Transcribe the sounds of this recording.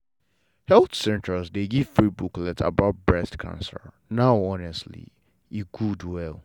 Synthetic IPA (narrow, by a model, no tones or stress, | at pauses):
hɛlθsɛ̃ntə˞zdeɡiv̥fɹibuklɛta̰baʊt̚bɹɛstkʰã̰nsə̰l | naʊɔnɛstlḭ | iɡ̥udwɛlˠ